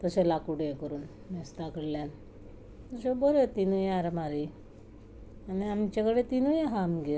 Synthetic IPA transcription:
t̪əselakuɽekəɾuːn | mest̪akəɽljan | t̪əsebəɾet̪inujaɾmaɾi | aniamt͡ɕakəɽet̪inujeɦamɡe

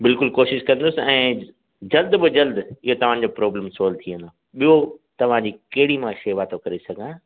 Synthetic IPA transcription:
bɪlkʊlkoːʃɪʃkɐ̃nd̪ʊsɪɛ̃ː | d͡ʑɐld̪bɪd͡ʑɐld̪ɪɦot̪ɐʋ̤ãːd͡ʑoːpɾɔːbləmsoːlt̪ʰiə̃nd̪o | ɓijot̪ɐʋ̤ãd͡ʑiːkɐɦɪɽimãʃeːʋaːt̪okɐɾesɐɡʱãː

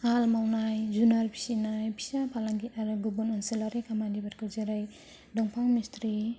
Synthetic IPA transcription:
almawnajzunalpʰi̥sinajpʰi̥sapʰalaŋɡiaɾɯɡubunɔnselaɾekʰamandibaɾ̚kʰɔzeɾaj | dɔŋpʰawmistɾi

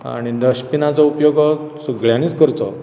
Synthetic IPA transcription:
a̰ɽ̃id̪əɕpinat͡sɔupjoɡ | səɡɭjãniːt͡skəɾt̪ɔ

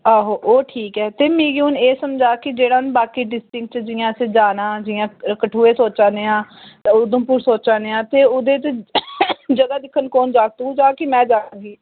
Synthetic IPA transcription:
aːɦoːʔoːʈʰiːkɛːt̪eːmiːɡiuːneːsəmd͡ʒaːkɪd͡ʒeːɽaːnbaːkiːɖɪsʈɪ̃ŋk̚t͡ʃd͡ʒɪːjãːsed͡ʒaːnãːd͡ʒɪjãːkəʈʰuːeːsoːt͡ʃãːd̪eːãːʊd̪õːpuːɾsoːt͡ʃãːd̪eːãːt̪eːʊd̪eːt̪e | d͡ʒəɡaːd̪ɪkʰːənkoːnd͡ʒaːk̚t̪ud͡ʒaːkɪmɛ̃ːd͡ʒaːɡiː

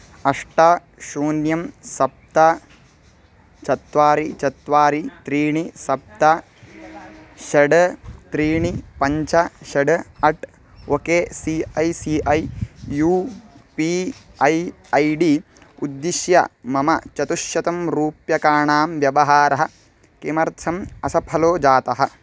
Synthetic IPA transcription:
ɐʂʈa | ʃuːnjɐmsɐp̚t̪ɐ | t͡ʃɐt̪ʋaːɾit͡ʃɐt̪ʋaːɾit̪ɾiːɳisɐp̚t̪ɐ | ʃɐɖɐt̪ɾiːɳipɐɲt͡ʃɐʃɐɖɐɐʈ | okeːsiɐjsiːʔɐjjuːpiːɐj | ɐjɖiː | ud̪ːiʃjɐ̰mɐmɐt͡ʃɐt̪uʃjɐt̪ɐmɾuːpjɐkaːɳaːmʋjɐʋɐɦaːɾɐɦɐ̆ | kemɐɾt̪ʰɐmɐsɐpʰɐloːd͡ʒaːt̪ɐɦɐ̆

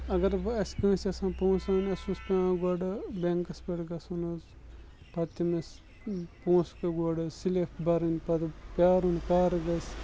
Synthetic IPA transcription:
ɐɡɐɾɐskə̃ːsʲɐsãːpõːsaːnʲɐsuspʲaɡɐɖɨbeŋkɐspeɽɡɐsunɐz | pɐt̪imes | põːskɐɡoɖsileːfbɐɾɨnpɐt̪pʲaːɾunkaːɾɡɐs

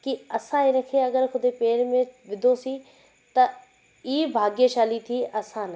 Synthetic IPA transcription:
kiɐsãːeɾɐkʰeːɐɡəɾkʰʊd̪eːpeːɾmẽʋɪd̪ʱoːsiː | t̪ɐ | iːbʱaːɡjeʃaːlit̪ʰiːʔɐsãːn

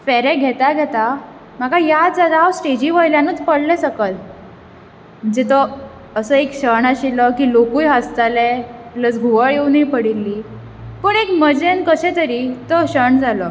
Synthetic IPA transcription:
fɛɾɛ̃ɡʱɛt̪aɡʱɛt̪a | m̤akajad͡zad̪aɦawsʈed͡ʑiːʋəjljanuːt͡spəɽlɛsəkəl | m̤əɳd͡zet̪ɔ | əsəekɕəɳaɕilɔkiːlokujɦast̪alɛlət͡sɡʱuʋəɭewniːpəɽilːiː | pəɳekməd͡ʑenkəɕɛ̃t̪əɾiːt̪ɔɕəɳd͡zalɔ

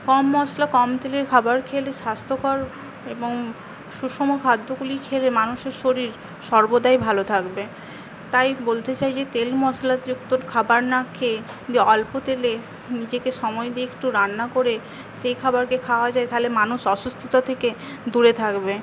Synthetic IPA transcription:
kɔmːɔslakɔmt̪eleɾkʰabaɾkʰeleʃast̪ʰokʰɔɾ | eboŋ | ʃuʃomokʰad̪ʱːoɡulikʰelemanuʃeɾʃoɾiɾ | ʃɔɾbod̪aejbʱalot̪ʰakbe | t̪ajbolt̪et͡ɕajd͡ʑet̪elmɔslad͡ʑukt̪oɾkʰabaɾnakʰe | d͡ʑeɔlpot̪ele | nid͡ʑekeʃɔmɔed̪iek̚ʈuɾanːakoɾe | ʃejkʰabaɾkekʰaoad͡ʑaet̪aɦolemanuʃɔʃust̪ʰit̪ot̪ʰeke | d̪uɾet̪ʰakbe

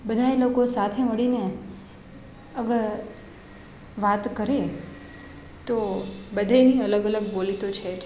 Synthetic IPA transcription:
bəd̪ʱaelokosat̪ʰeməɽine | əɡəɾ | ʋat̪kəɾe | t̪obəd̪ʱaniələɡələɡ̚bolit̪ot͡ʃʰe

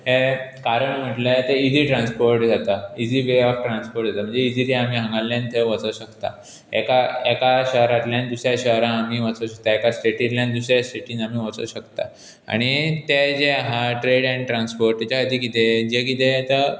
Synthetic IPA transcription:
ɦekaɾəɳm̤əʈlət̪eid͡ziːʈɾãnspoɾʈd͡zat̪aid͡ziːbeɔkʈɾanspoɾʈd͡zat̪əm̤ə̃ɳd͡zeid͡ziliam̤iːɦə̃ŋɡalːjãnt̪ʰəʋət͡səɕəkt̪a̰ | ɛ̰kaɛkaɕəɦɾat̪ljãnd̪usɾjaɕəɦɾãːm̤iːʋət͡səɕək̚t̪aekasʈeʈiɾljãnd̪usɾjasʈeʈĩnam̤iʋət͡sə̰ɕəkt̪a̰ | a̰ɽ̃it̪ed͡ʑeaɦaʈɾeɽaniʈɾãnspoɾʈ̚t̪jat͡ɕaəd̪iːkit̪ed͡ʑekit̪et̪ə

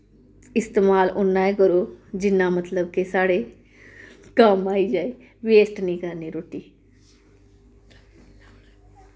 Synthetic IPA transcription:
ɪst̪eːmaːlʔʊnːaːẽkəɾoːd͡ʒɪnːãːmət̪ləb̚kesaːɽeː | kamaːid͡ʒaːe | ʋeːsʈnĩːkəɾniːɾoːʈiː

